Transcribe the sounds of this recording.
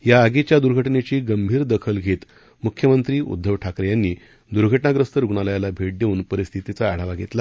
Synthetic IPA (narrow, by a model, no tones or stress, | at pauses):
jaəɡet͡ɕjad̪uɾɡʱəʈɳet͡ɕiːɡəmbʱiːɾd̪əkʰəlɡʱet̪ | mukʰjəmənt̪ɾiːṵd̪ʱːəʋʈʰakɾjanːiː | d̪uɾɡʱəʈɳaɡɾəst̪əɾuɡɳaləjalabʱeʈ̚d̪euːnpəɾist̪ʰit̪it͡saːɽ̤aʋaɡʱet̪la